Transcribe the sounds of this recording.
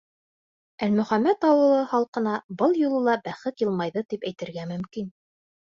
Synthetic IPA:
ælmɵ̆χæmːæt̪ɑwɤ̆lˠɤχɑlˠqɤ̆nɑbɤlˠjulˠɤ̆lˠɑbæχɘt̪jɤ̆lˠmɑjðɤt̪ipæjt̪ɘ̆ɾɡæmɵ̆mkin

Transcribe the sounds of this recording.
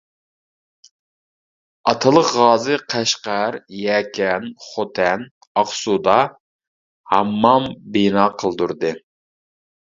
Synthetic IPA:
ɑt̪ʰɨlˠəqʁɑːzɨqʰæʃqæɾjɛːkʲʰɛnχot̪ʰɛn | ɑχsud̪ɑ | hɑmːɑmbinɑːqʰəlˠd̪uɾd̪ɨ

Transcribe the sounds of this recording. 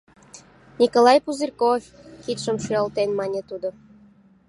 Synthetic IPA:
nʲikolɑjpuzirkofʲ | kit̪ʃəmʃyəlt̪enmɑnʲet̪ud̪o

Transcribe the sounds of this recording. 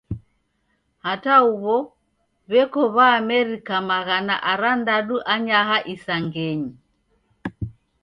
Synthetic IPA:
hatauβɔ | βɛkɔβaːmɛɾikamaɣana̰ʔaɾandaɗuʔaɲaɦaʔisaŋɡɛɲi

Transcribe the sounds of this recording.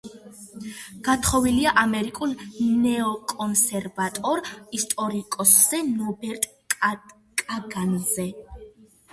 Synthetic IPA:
ɡ̥at̪ʰχɔviliaʔamɛɾikʼulˠnɛɔkʼɔnsɛɾvat̪ʼɔɾist̪ʼɔɾikʼɔsːɛnɔbɛɾt̪ʼ | kʼaɡanzɛ

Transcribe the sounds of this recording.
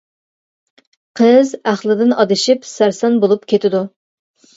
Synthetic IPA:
qʰəzæχlˠɨd̪ɪnɑd̪ɨʃipsæɾsɑnbolˠupkʲʰet̪ʰɪd̪u

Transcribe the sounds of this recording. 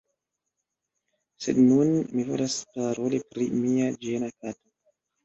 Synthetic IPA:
sednunmivo̰laspaɾolipɾḭmiad͡ʒenakato

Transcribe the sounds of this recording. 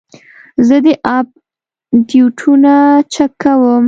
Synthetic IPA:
zəd̪əʔɑb̚ | d̪juʈʰunat͡ʃakːawəm

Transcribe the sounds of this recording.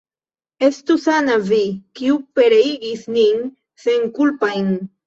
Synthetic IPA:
e̞st̪usanavikiupe̞ɾeiɡisnin | seŋkulpajn

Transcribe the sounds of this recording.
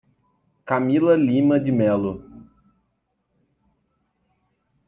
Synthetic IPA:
kamilɐlĩmɐd͡ʒɪmɛlʊ

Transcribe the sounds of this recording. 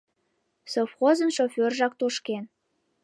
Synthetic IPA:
sofxozənʃofʲørʒɑk̚t̪oʃken

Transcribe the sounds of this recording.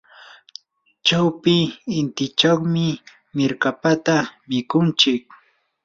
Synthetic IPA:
t͡ʃawpɪːnt̪ɪt͡ʃaχmɪ | mɪɾkapat̪amɪkʊnt͡ʃɪk̚

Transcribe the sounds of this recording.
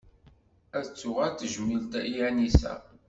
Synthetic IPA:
æðət͡sːʊʁæɾt̪ːəʒmilt̪ijænisæ̰

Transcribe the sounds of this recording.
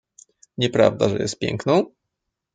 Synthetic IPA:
ɲɛpɾa̰vd̪aʐɛjɛ̰st̪̚pʲjɛ̰ŋknɔ̃w̃

